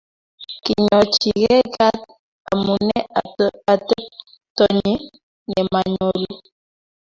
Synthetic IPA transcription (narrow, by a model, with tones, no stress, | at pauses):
ki˨ɲɔ˨t͡ʃi˨ɣɛ˦ɡa˦t̚ | a̰˨mu˨nɛ˦a˨tɛ˦ | tɔ˨ɲi˦ | nɛ˨ma˨ɲo˨lu˦